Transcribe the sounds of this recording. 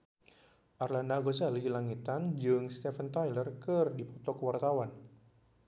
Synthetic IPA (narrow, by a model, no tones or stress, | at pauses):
ʔarlandaɡod͡ʒalidilaŋit̪and͡ʒɨŋst̪efənt̪ajlərkɨrdipɔt̪ɔkəwart̪awan